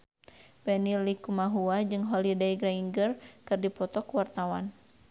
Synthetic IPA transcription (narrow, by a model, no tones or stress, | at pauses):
bɛnilikumaɦuad͡ʒɨŋɦɔlidaiɡɾaiŋɡərkɨrdipɔt̪ɔkwart̪awan